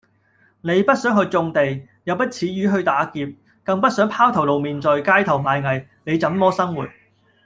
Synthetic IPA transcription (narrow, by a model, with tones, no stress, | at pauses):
ne˨˧jpɐ˥t̚sœː˨˥ŋɦɵ˧jt͡sʊ˧ŋt̪e˨j | jɐ˨˧wpɐ˥t̚t͡sʰiː˨˧˥jyː˨˥ɦɵ˧ɥt̪aː˨˥kiː˧p̚ | kɐ˧ŋpɐ˥t̚sœː˨˥ŋpʰaː˥wt̪ʰɐ˨˩wlo˨wmiː˨nt͡sɔ˨jkaː˥jt̪ʰɐ˨˩wmaː˨˧jŋɐ˨j | ne˨˧jt͡sɐ˨˥mmɔː˥sɐ˥ŋwṵː˨˩t̚